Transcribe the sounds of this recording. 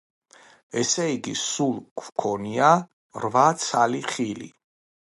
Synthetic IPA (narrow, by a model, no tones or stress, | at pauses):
ɛsɛiɡisulˠkʰwkʰɔnia | ɾvat̪sʰaliχilḭ